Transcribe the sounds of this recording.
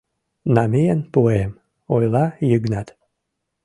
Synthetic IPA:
namejənpoem | ojlɑjəɡnat̪

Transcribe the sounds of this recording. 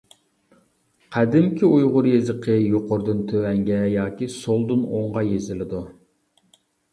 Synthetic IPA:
qʰæd̪ɪmkʲʰiujʁʊɾjezɪqʰəjoqoɾd̪ɨnt̪ʰøwɛŋɡʲɛjɑːkʲisolˠd̪ɨnoɴʁɑjezɪlɪd̪u

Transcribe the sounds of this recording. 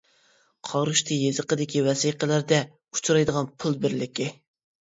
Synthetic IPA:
qʰɑɾuʃt̪ʰɨjezəqəd̪ɪkʲiwɛsijqəlæɾd̪ɛ | u̥t͡ʃʰuɾɑjd̪əʁɑnpʰʊlˠbɪɾlɪkʲɪ

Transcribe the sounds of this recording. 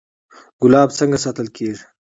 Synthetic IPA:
ɡ̥ʊlɑːbt͡səŋɡasɑt̪əlkʰeːʐ

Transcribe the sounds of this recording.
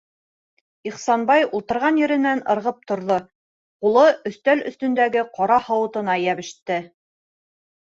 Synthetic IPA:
iχsɑnbɑjulˠt̪ɤ̆ɾʁɑnjɘ̆ɾɘ̆nænɤ̆ɾʁɤp̚t̪ŏɾðo | qulˠɤʔɵ̆θt̪ælɵ̆θt̪ɵ̆nd̪æɡɘqɑɾɑhɑ̆wɤ̆t̪ɤ̆nɑjæβɘ̆ʃt̪ɘ

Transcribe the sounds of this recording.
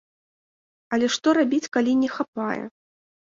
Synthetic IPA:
ɐlʲɛʂt̪ɔɾabʲit͡sʲkalʲinʲɛxapajɛ̰

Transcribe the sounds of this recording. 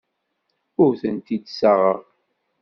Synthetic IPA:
ʊɾθənt̪id̪saʁəʁ

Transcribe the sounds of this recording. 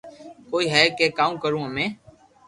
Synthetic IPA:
koːiːɦɛːkeːkaːũːkəɾũːəmẽː

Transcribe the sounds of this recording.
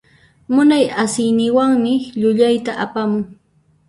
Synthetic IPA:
mʊnajasɪjnɪwaŋmɪʎʊʎajt̪aʔapamʊŋ

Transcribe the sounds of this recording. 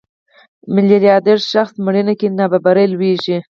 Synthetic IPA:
mɪleljɑd̪eɾʃaxsmɽinakinababaɾelweʒi

